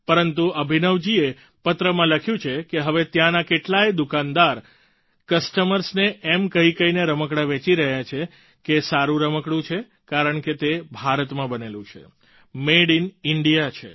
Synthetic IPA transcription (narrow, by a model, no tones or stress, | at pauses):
pəɾənt̪uʔəbʱinəʋd͡ʒie | pət̪ɾəmãləkʰjũt͡ʃʰekeɦəʋet̪jãnakeʈlaed̪ukand̪aɾ | kəsʈəməɾsneɛmkəɦikəineɾəməkɽaʋẽt͡ʃiɾəɦjat͡ʃʰe | kesaɾũɾəməkɽũt͡ʃʰe | kaɾəɳket̪ebʱaɾət̪mãbənelũt͡ʃʰḛ | meɽinɪɳɖijat͡ʃʰḛ